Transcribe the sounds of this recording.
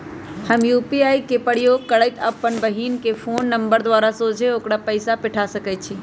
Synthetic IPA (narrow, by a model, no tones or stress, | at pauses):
həmjuːpiaːikepəɽijoːɡkəɽəɪt̪əpːənbəɦiːnkefʰoːnːə̃mbəɾd̪wʋaːɾasoːd͡ʒʱeɦoːkɽapəɪsapɪʈʰasəkət̪t͡ʃʰiː